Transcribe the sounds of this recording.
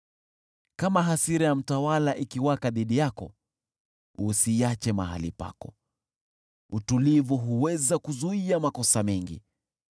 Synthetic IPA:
kamaɦasiɾɛjam̩tawalaʔikiwakaðiɗijakɔ̰ | usiat͡ʃɛmaɦa̰lḭpa̰kɔ | utulivuɦuwɛzakuzuiamakɔsamɛŋɡḭ

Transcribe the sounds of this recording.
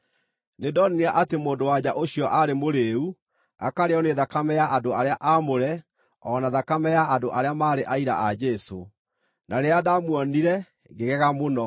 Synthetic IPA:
nedɔnineaʔatemoːndowad͡ʑaʔoɕiɔʔaɾemoɾeu | a̰kaɾeɔneðakamɛjaʔadoaɾeaʔamoɾɛ | ɔnaðakamɛjaadoʔaɾeamaːɾeʔaiɾa̰ʔad͡ʒɛso | nʔaɾeadamwɔniɾɛ | ɡeɣɛɣamonɔ

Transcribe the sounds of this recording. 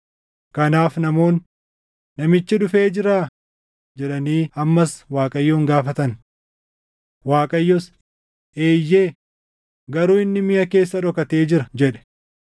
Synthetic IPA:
kɐnaːfnɐmo̞ːnː | ɐmɪt͡ʃːɪᶑʊfe̞ːd͡ʒɪɾaː | d͡ʒɛᶑɐniːɐmːɐswaːkʼɐjːoːŋɡaːfɐt̪ɐn | waːkʼɐjːɔs | eːjːeː | ɡɐɾuːɪnːɪmɪjɐke̞ːsːɐᶑɔkɐt̪e̞ːd͡ʒɪɾɐd͡ʒɛᶑɛ̥

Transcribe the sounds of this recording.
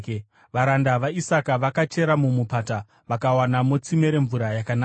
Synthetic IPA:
ʋaɾandaʋaisakaʋakat͡ʃe̞ɾamumupata | ʋakawanamot͡simeɾe̞ɱvuɾajakanaːa

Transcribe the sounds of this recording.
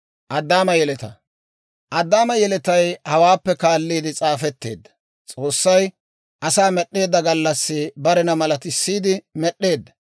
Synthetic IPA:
ʔɐd̪ːaːmɐjɛlɛt̪ɐ | ʔɐd̪ːaːmɐjɛlɛt̪ɐjhɐwaːpːɛkaːlːiːd̪ɪt͡sʼaːfɛt̪ːe̞ːd̪ːɐ̥ | t͡sʼo̞ːsːɐj | ʔɐsaːmɛɗːe̞ːd̪ːɐɡɐlːɐsːɪbɐɾɛnɐmɐlɐt̪ɪsːiːd̪ɪmɛɗːe̞ːd̪ːɐ̥

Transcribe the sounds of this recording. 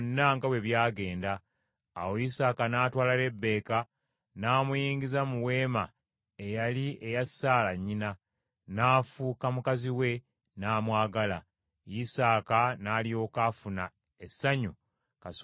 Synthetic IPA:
nːaŋɡawe̞βjaːɡe̞ːndaː | wojisaːkanaːtwaːlale̞bːe̞ːka | naːmujiːɲɡizamuwe̞ːma | e̞jalie̞jasaːlaɲːina | naːfuːkamukaziwe̞ | naːmwaːɡala | jisaːkanaːlio̞ːkafuna | esːaɲu | kas

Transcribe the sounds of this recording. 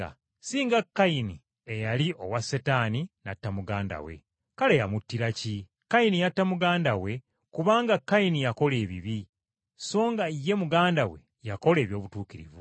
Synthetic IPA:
a̰ | siːŋɡakːaini | ejalio̞wasetaːninatːamuɡaːnda̰wḛ | kalejamutːiɾaci | kajinijatːamuɡaːndawe̞ | kuβaːŋɡakːajinijako̞le̞ːβiβi | so̞ːŋɡaije̞muɡaːndawe̞̰ | jako̞le̞ːβjo̞ːβutuːkiɾḭvu

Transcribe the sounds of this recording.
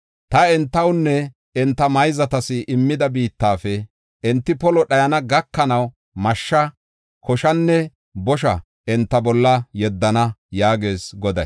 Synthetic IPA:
t̪ɐɛnt̪ːɐwnːɛ | ɛnt̪ːɐmɐjzɐt̪ɐsɪʔɪmːɪd̪ɐbiːt̪ːaːfɛ | ɛnt̪ːɪpɔlɔɗɐjɐnɐɡɐkːɐnɐw | mɐʃːɐ | kɔʃɐnːɛ | bɔʃ̬ɐ | ɛnt̪ːɐbɔlːɐjɛd̪ːɐnɐjaːɡeːsɡɔd̪ɐj

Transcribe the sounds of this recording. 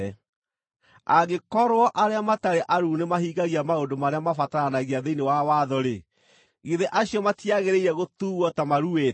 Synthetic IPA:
aɡekɔɾoɔʔaɾeamataɾeʔaɾuːnemaɦiːɣaɣiamaondomaɾeamafataɾanaɣiaðeinewawaðɔɾe | ɣiðeʔaɕiɔmatiaɣeɾeiɾɛɣotuɣwɔtamaɾue

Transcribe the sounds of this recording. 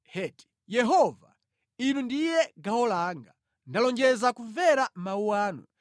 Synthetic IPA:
hɛti̥ | jɛɦɔva̰ | inundijɛɡaɔlaːŋɡa | ndalɔnd͡ʒɛzakuɱvɛɾamauwaːnṵ

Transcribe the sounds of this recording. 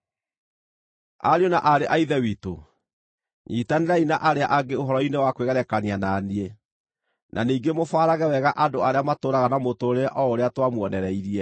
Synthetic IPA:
a̰ɾjɔnaʔaɾeʔaiðɛwiːto̰ | ɲitaneɾainaʔaɾeaʔaɡeoɦɔɾɔinewakweɣɛɾɛkanianaːnie | nʔa̰niːɡemofaːɾaɣɛwɛɣaʔadoaɾeamatoːɾaɣanamotoɾeʔɔoɾeatwamwɔnɛɾɛiɾiɛ

